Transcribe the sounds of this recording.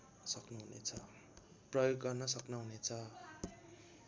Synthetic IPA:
sʌknuɦunḛt͡sʰʌ | prʌjoɡːʌrnʌsʌknʌɦunet͡sʰʌ

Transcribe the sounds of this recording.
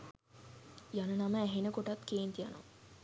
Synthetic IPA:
jɐnɐnɐməːɦenəkoʈɐt̪keːnt̪ijɐnṵ

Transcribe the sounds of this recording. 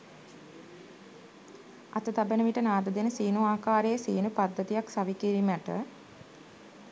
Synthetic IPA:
ɐt̪ət̪abənəʋiʈənaːd̪əd̪enəsiːnuaːkaːɾejəsiːnupad̪ːət̪ijaksaʋikiɾiməʈə̰

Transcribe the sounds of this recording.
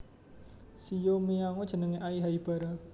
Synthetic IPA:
sijomiaŋod̥ʒ̥ə̤nəŋeʔaiɦaib̥a̤ɾa

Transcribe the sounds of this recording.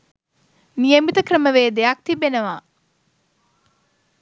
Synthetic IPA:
nijəmit̪əkɾəməʋeːd̪ejak̚t̪ibenəʋaː

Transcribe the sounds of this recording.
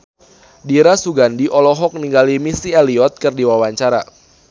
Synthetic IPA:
diɾasuɡandiʔɔlɔɦɔk̚niŋɡalimisialiɔt̪̚kɨrdiwawaɲt͡ʃaɾa̰

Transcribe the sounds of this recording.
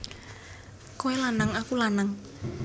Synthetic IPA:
kowelanaŋakulanaŋ

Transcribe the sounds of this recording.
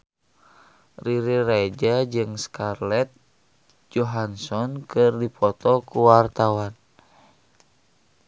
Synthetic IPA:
riɾirad͡ʒad͡ʒɨŋskarlɛt̪̚ | d͡ʒɔɦansɔnkɨrdipʰɔt̪ɔkuwart̪awan

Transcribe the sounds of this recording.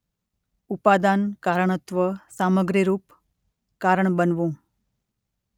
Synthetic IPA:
upad̪ankaɾəɳ̃ət̪ʋəsaməɡɾiɾuːp | kaɾəɳbənʋũ

